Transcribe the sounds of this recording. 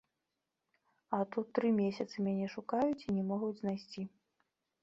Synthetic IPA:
ɐt̪ut̪ːɾɨmʲesʲɐt̪sɨmʲanʲɛʂukajut͡sʲinʲɛmɔɣud͡zʲznajsʲt͡sʲi

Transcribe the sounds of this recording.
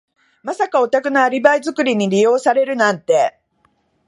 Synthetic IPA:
masakao̞t̪akɯ̟naːɾʲibaizɨkɯ̟ɾʲiɲ̟iɾʲijo̞ːsaɾe̞ɾɯ̟nãnt̪e̞

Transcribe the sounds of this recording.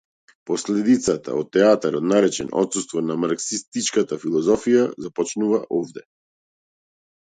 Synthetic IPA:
pɔslɛd̪it̪sat̪ʰa̰ɔt̪ːɛat̪aɾɔd̪naɾɛt͡ʃɛ̰nɔ̰t̪sust̪vɔnamaɾksist̪it͡ʃkat̪afilˠɔzɔfijazapɔt͡ʃnuvaʔɔvd̪ɛ

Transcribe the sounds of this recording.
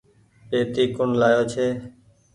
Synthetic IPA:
eːt̪iːkʊɳlaːjoːt͡ʃʰeː

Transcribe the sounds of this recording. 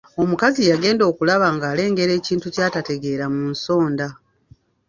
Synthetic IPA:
o̞mukazijaɡe̞ːndo̞ːkulaβaŋɡaːle̞ːŋɡe̞ɾe̞ːciːntucaːtate̞ɡe̞ːɾamunso̞ːnda

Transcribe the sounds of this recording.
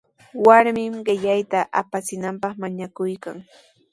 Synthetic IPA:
waɾmɪmɢɪʎajt̪aʔapat͡sɪnampɑχmaɲakʊjkaŋ

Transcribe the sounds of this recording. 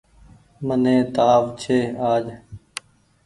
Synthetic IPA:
mənẽːt̪aːʋt͡ʃʰeːaːd͡ʒ

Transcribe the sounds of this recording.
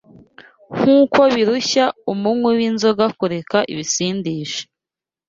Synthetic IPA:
ŋ̥uːko̞βiɾuçaumumŋwewinzoɡakuɾe̞kaʔḭβisiːndiːʃe̥

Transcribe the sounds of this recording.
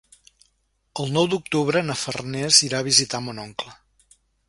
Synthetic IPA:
əlˠnɔwd̪uk̚t̪uβɾənəfə̰rnɛziɾaβizit̪amunɔŋklə

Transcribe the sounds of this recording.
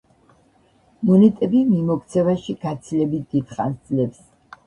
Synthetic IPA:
mɔnɛt̪ʼɛbimimɔkʰt̪sʰɛvaʃiɡ̥at̪sʰilɛbit̪̚ʰd̪it̪χa̰nsd̪zlɛps

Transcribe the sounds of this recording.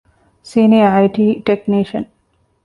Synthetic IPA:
siniaɪʈiʈekniʃə̰̃n

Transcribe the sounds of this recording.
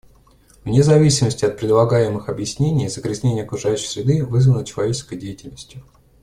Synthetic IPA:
vnʲɪzɐvʲisʲɪməsʲtʲɪɐt̪̚pɾʲɪd̪lˠɐɡajɪmɨxɐbjɪsʲnʲenʲɪjɪzəɡɾʲɪzʲnʲenʲɪjəɐkɾʊʐajʉɕɪ̥jsʲɾʲɪd̪ɨvɨzvənət͡ɕɪlˠɐvʲet͡ɕɪskəjdʲejɪtʲɪlʲnəsʲtʲjʊ

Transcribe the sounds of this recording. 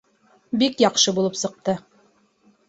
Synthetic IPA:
bikjɒqʃɤbulˠɤpsɤ̆q̚t̪ɤ

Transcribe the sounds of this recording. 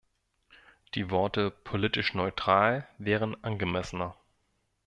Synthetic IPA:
d̥iːvɔɐtəpʰolitɪʃnɔʏtʁ̥aːlvɛːʁ̞ənʔanɡəmɛsənɐ

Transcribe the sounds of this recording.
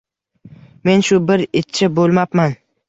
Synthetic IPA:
me̞nʃʊbɪɾɪt̪t͡ʃʰːɪbolˠmapman

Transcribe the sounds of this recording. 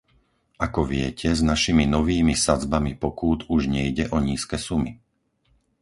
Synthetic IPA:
ʔakɔʋɪɛcʰɛznaʃiminɔʋiːmisad͡zbamipɔkuːd̪uʒɲɛjɟɛʔɔɲiːskɛːsumi

